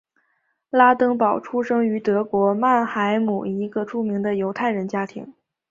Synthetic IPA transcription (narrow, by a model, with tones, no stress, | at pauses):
la˥t̪ɤ˥ŋpɑ˨˩ʊʈ͡ʂʰu˥ʂɤ˥ŋy˧˥t̪ɤ˧˥kwɔ˧˥ma˥˩nxa˧˥ɪmu˨˩i˧˥ɡə˧ʈ͡ʂʰu˥mi˧˥ŋd̪ə˧jo˧˥ʊt̪ʰa˥˩ɪɻə˧˥nt͡ɕja˥t̪ʰḭ˧˥ŋ